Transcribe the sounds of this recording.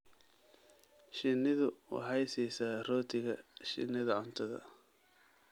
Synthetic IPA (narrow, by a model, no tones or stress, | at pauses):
ʃɪnɪðʊw̰ħɑjsɛjsaːrɔːt̪ʰɪɣɐʃɪ̰nɪðɐʕʊnt̪ʰɐðɐ̰